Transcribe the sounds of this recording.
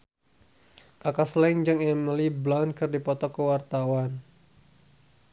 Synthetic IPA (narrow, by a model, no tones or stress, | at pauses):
kakasland͡ʒaŋɛməliblankɨrdipɔt̪ɔkəwart̪awan